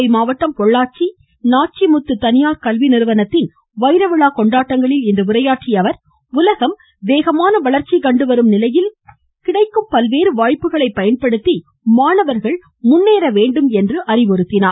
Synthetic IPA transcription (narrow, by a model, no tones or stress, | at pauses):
ɐɪmaːʋɐʈːɐmpɔɭːaːt͡ʃi | naːʈ̚t͡ʃimʊt̪ːɯt̪ːɐnɪjaːɾkɐlʋinɪɾɯʋɐnɐt̪ːɪn | ʋɐɪɾɐʋɯɭaːkɔɳɖaːʈːɐŋɡɐɭɪlɪnd̪ɐʊɾɐjaːʈt͡ʃijɐʋɐɾ | ʊlɐɣɐm | ʋeːɣɐmaːnɐʋɐɭɐɾt͡ʃikɐɳɖɯʋɐɾɯmnɪlɐjɪl | kɪɽɐɪkːɯmpɐlʋeːɾɯʋaːɻpːɯɣɐɭɐɪpːɐjɐnpɐɽɯt̪ːi | maːnɐʋɐɾɣɐɭ | mʊnːeːɾɐʋeːɳɖɯmɛndrɯʔɐrɪʋɔɾɯt̪ːɪnaːɾ